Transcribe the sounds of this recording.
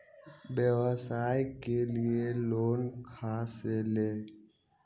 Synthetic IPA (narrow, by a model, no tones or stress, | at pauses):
bjəʋsaːjkelɪeloːnkʰaːseleː